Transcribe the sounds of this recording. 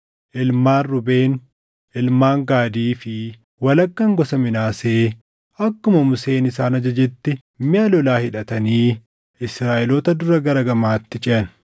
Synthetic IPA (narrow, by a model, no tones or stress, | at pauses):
ʔɪlmaːnːʊbe̞ːn | ʔɪlmaːŋɡaːd̪iːfɪ | wɐlɐkːɐŋɡɔsɐmɪnaːseː | ʔɐkːʊmɐmʊse̞ːnɪsaːnɐd͡ʒɐd͡ʒɛt̪ːɛ | mɪɐlɔlaːhɪᶑɐt̪ɐniː | ɪsɾaːʔɪlɔːt̪ɐd̪ʊɾɐɡɐɾɐɡɐmaːt̪ːɪt͡ʃʼɪɐn